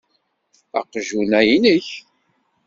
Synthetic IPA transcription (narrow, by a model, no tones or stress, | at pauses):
æ̰qʒunæjnəç